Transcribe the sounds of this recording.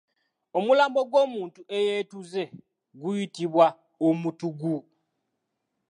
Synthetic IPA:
o̞mulaːmbo̞ɡwoːmuːntuejeːtuze̞ | ɡujitiβwa | omutuɡu

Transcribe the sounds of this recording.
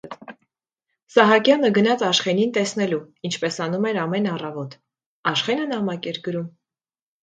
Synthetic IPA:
sɑɦɑkjɑnəɡənɑt͡sʰɑʃχɛnint̪ɛsnɛlu | int͡ʃʰpɛsɑnumɛɾɑmɛnɑrɑvɔt̪ | ɑʃχɛnənɑmɑkɛɾɡəɾum

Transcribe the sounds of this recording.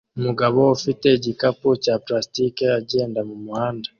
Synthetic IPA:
umuɡaβo̞ːfite̞ɟikapucaːplastikeaɟe̞ːndamumuhaːnda

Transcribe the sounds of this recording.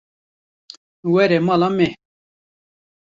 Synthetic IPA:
weɾemalame

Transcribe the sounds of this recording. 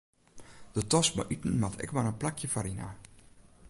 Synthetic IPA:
d̥ətɔs̚ba̰ʔytn̩matʰɛ̰kʋanənplakʰjəfaɾina̰

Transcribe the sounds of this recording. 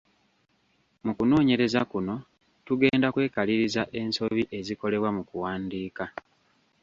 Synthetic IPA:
mukuno̞ːɲe̞ɾe̞zakuno̞ | tuɡe̞ːndakwe̞ːkaliɾizaʔe̞nso̞βiʔe̞ziko̞le̞βwamukuwaːndiːka

